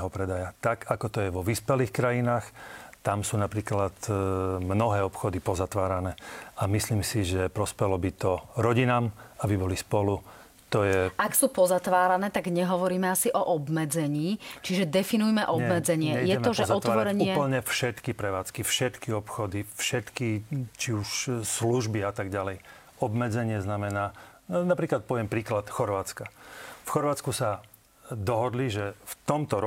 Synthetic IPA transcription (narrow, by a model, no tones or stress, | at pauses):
ɦɔpɾɛd̪ajat̪aɡakɔt̪ɔjɛʋɔʋiːspɛliːxkɾajinaːxt̪amsuːnapɾiːklat̪mnɔɦɛːɔpxɔd̪ipɔzat̪ʋaːɾanɛːamisliːmsiʒɛpɾɔspɛɦlɔbit̪ɔɾɔɟinaːmabibɔlispɔlu | t̪ɔjɛaksuːpɔzat̪ʋaːɾanɛːt̪aɡɲɛɦɔʋɔɾiːmɛasiʔɔʔɔbmɛd͡zɛɲiːt͡ʃiʒɛd̪ɛfinujmɛʔɔbɛmɛd͡zɛɲɪɪɛjɛt̪ɔʒɛɔt̪ɔɾɛɲuːɪɛpl̩ɲɛfʃɛt̪kipɾɛʋaːt͡skifʃɛt̪kiɔpxɔd̪ifʃɛt̪kit͡ʃiuʃsluʒbiat̪aɡɟalɛj | ɔbmɛd͡zɛɲɪɛznamɛnaː | napɾiːklat̪̚pɔʋɪɛmpɾiːklat̪xɔɾʋaːt͡skafxɔɾʋaːt͡skusa | d̪ɔɦɔd̪liʒɛft̪ɔmt̪ɔɾ